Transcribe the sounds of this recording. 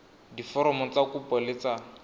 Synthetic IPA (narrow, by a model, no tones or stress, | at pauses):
difɔɾɔmɔt͡sakupɔlɪt͡sa